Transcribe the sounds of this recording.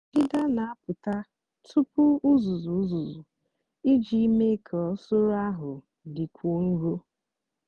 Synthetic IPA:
ɡɪ˦da˦na˨a˦pʊ˨ta˦ | tʰʊ˦pʊ˦ʊ˦zu˨zu˨˦zu˨zu˨ | i˦d͡ʒi˦me˦kʰɔ˨˦so˦ɾa˦ɦʊ˨ | dɪ˨kʷu˨˦n̩˦ɾo˦

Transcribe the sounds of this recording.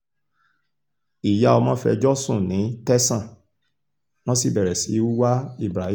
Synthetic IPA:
i˨ja˨˧˦o˧mã˦fɛ̰˧d͡ʒɔ˦sũ˦˨nĩ˨˦tɛ˦sã˦˨ | w̃ɔ̃˦si˦˨bɛ˨ɾɛ˨si˨˦u˦wa˦i˦˨bɾa˨˦

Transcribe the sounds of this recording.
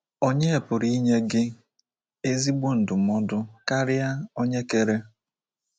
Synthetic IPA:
o˦ɲe˦e˨pʊ˨ɾi˦ɲe˦ɡɪ˦ | e˦zi˦ɡ͡bu˦n̩˨dʊ˨mɔ˦dʊ˦ka˦ɾɪ˦ja˦o˦ɲe˦ke˦ɾe˦

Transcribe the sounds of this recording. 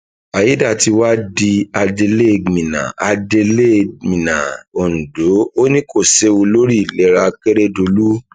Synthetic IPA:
a˨ji˨˦da˦˨ti˧wa˦di˧a˧de˧le˦˨mĩ˨nã̰˨a˧de˧le˦˨mĩ˨nã˨o˨nũ˨do˨˦o˦nĩ˦ko˦˨se˦wu˧lo˦ɾi˦˨lɛ˨˦ɾa˧ke˦ɾe˦do˧lu˦

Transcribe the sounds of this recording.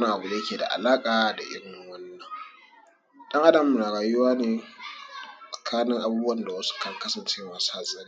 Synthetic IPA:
wɐ˦na˨ʔa˨bu˨da˨jɐ˦kʲeː˨da̰˨ʔa̰˨laː˦kʼaː˨da̰˨ʔɪ̰˦ɽɪ˨ŋŋwɐ˦nːɐ˨ŋ | ɗɐ˦ŋʔa˦dɐ˨m˨mu˨naː˨ɽaː˨ju˦waː˦neː˨ | sʼɐ˨kʰaː˦nɪ˦ŋʔa˨buː˦bu˦wɐ˦nda˨wɐ˦su̥˦kɐ˨ŋkɐ˦sɐ˨nt͡ʃɪ˦ŋwaː˨sa˨zɐ˦n˦

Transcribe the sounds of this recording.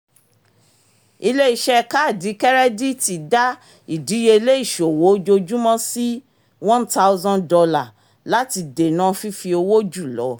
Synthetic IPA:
i˧le˦i˦˨ʃɛ˦ka˦˨di˨˦kɛ˦ɾɛ˦di˦ti˨da˦ | i˨di˨˦je˧le˦i˦˨ʃo˨wo˨˦d͡ʒo˧d͡ʒu˦mã˦si˦ | wɔ̃˦nta˦u˦zɔ̃˦ndɔ˧la˨ | la˦ti˧de˨nã˦fi˦fi˧o˧wo˦d͡ʒu˦˨lɔ̰˨˦

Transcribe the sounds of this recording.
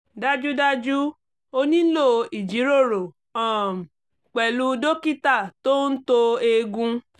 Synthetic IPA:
da˧d͡ʒu˦da˧d͡ʒu˦ | o˧nĩ˦lo˦˨˧i˨d͡ʒi˨˦ɾo˦˨ɾo˨ | ɔ˦˨m̩˨ | k͡pɛ˨lu˧do˦ki˦ta˦˨to˦n̩˦to˧e˧ɡũ˧

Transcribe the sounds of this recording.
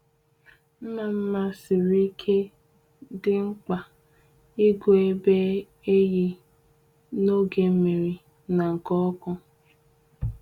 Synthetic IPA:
m̩˦ma˨m̩˦ma˦si˨ɾi˦kʰe˦ | dɪ˦ŋ͡m̩˦k͡pa˨ | i˦ɡo˨e˦be˦ | e˦ɣi˦ | no˦ɡe˨˦me˨ɾi˨ | na˨ŋ̩˨kɔ˦kɔ˦

